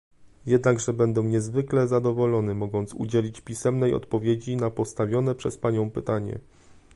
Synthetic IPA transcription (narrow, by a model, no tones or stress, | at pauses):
jɛd̪naɡʐɛbɛnd̪ɛ̃ɲɛzvɘklɛzad̪ɔvɔlɔnɘmɔɡɔnt̪sṵd͡ʑelʲit͡ɕpʲisɛmnɛjɔ̰t̪pɔvʲjed͡ʑinapɔst̪avʲjɔn̪ɛpʂɛspaɲɔ̃w̃pɘt̪aɲɛ̰